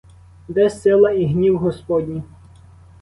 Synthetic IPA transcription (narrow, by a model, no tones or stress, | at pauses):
d̪ɛsɪlˠɐiɦnʲiwɦɔspɔdʲnʲi